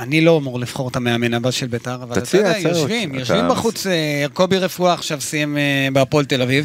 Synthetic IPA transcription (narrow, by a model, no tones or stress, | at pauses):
anilo̞amuʁlifχo̞ʁetameamenavaʃelbetaʁavalaiajoʃvimjoʃvimbaχut͡sejaʁko̞biʁefuaːχʃavsijemebeapo̞lt̪e̞laviv